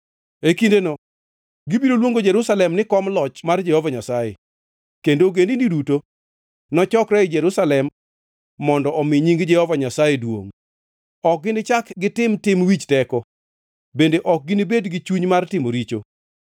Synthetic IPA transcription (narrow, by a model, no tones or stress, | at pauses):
ekindenɔ | ɡibiɾolwoŋɡod͡ʒɛɾusalɛmnɪkɔmlɔt͡ʃmard͡ʒɛhɔvaɲasajḛ | kendoɡendindiduto | nɔt͡ʃɔkɾɛɪd͡ʒɛɾusalɛmː | ɔndɔʔɔmɪɲiŋɡd͡ʒɛhɔvaɲasajedwo̰ŋ | ɔk̚ɡɪnɪt͡ʃakɡɪtɪmtɪmwit͡ʃtɛkɔ | bendeʔɔk̚ɡɪnibedɡɪt͡ʃuɲmartɪmoɾit͡ʃo